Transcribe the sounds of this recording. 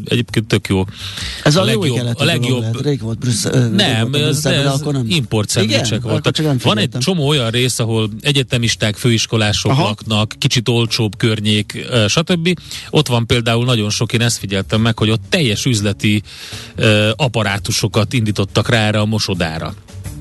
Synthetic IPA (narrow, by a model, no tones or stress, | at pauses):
ɛ̰ɟeːpkeːnt̪ːø̞kjoːɛzlɛjoɛbllɛɡjo̞bɾeolt̪ɾnɛmɛzɛimpo̞rt̪sɛlit͡ʃɛkʋolt̪ɒkɛvɒnɛɟ̚t͡ʃo̞moːo̞jɒnreːsɒɦo̞lɛɟɛt̪ɛmiʃt̪aːkføːiʃko̞laːʃoknknɒkːit͡ʃit̪o̞lt͡ʃoːbkørɲeːkøʃɒt̪ø̞bːio̞t̪ʋɒmpeːld̪aːulnɒɟo̞nʃo̞keːnɛst̪fiɟɛlt̪ɛmːɛkho̞ɟo̞t̪ːɛjːɛʃyzlɛt̪i | ɒpɒɾaːt̪uʃo̞kɒt̪ind̪iːt̪o̞t̪ːɒkraːɛːɾɛːmo̞ʃo̞d̪a̰ːɾɒ̰